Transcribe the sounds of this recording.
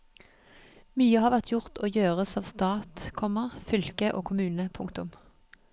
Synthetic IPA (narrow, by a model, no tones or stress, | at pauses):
myːəhɑːʁʋæʁt̪ʰjʊʁt̪ʰoːjøːʁəsɑːʋst̪ɑːt̪kʰɔməʁfʏlkəʔo̰ːkʰʊmʉːnəpʰʊŋkt̪ʊm